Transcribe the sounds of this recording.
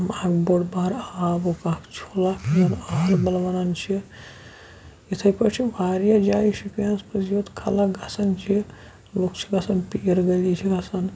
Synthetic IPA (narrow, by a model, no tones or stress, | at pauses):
makboɽbaɾaaːbokakt͡ʃʰolapʰijɐnaɦlbɐlʋɐnant͡ʃʰi | it̪ʰɐjpɐt͡ʃʰibaːɾijad͡ʒaːiʃipijanspɐd͡ʒiot̪kʰalaɡʱɐsɐnt͡ʃʰi | lokt͡ʃʰi̥ɡɐsɐnpiɾɡɐlit͡ʃʰiɡɐsɐn